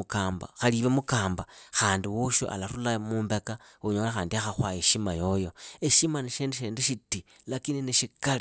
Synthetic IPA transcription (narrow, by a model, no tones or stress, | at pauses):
ukaːmba̰xaliβemukaːmbaxaːndiwoʃo̰ʔa̰laɾulamuːmbe̞kauɲo̞ːlaxaːndiaxaxwajeʃimajo̞jo̞eʃimaniʃeːndeʃeːndeʃiti | lakinineʃikali